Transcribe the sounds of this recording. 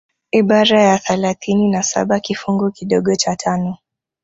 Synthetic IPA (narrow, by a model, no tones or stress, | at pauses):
iɓaɾajaθɛlaθininasa̰ɓakifuŋɡukiɗɔɠɔt͡ʃatʰanɔ